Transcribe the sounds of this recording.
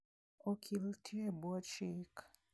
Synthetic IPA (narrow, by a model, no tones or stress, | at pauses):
okʰiltʰiebɔt͡ʃik